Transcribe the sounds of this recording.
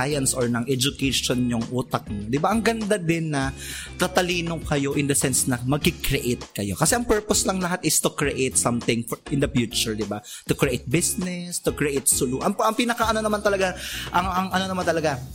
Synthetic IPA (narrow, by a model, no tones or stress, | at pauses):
jɐnsʔoɹnɐŋʔɛd͡ʒʊkɛʃonɲʊŋʔuːt̪ɐk̚ɲod̪ɪbaʔɐŋɡɐnd̪ad̪ɪnːɐt̪ɐt̪ɐliːnokɐjo̞ʔɪnd̪ɐsɛnsnɐmɐɡ̚kɪkɾɛʔet̪̚kɐjo̞̰kɐsɛʔɐŋpɛɹposlɐŋlɐɦat̪ʔɪst̪ʊkɹɛʔet̪̚sɐmθɪŋfʔɪnd̪ɐfjuːt͡ʃʊɹd̪ɪbat̪ʊkɹɪʔejt̪̚bɪsnɛst̪ʊkɹɛʔejt̪̚sʊluʔɐʔɐŋpiːnɐkɐʔɐno̞nɐmant̪ɐlɐɡaʔɐŋɐŋʔɐno̞nɐmant̪ɐlɐɡa